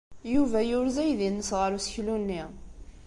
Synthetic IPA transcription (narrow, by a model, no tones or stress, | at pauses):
juvæjʊɾzæjðinːəsʁəɾusəçlunːi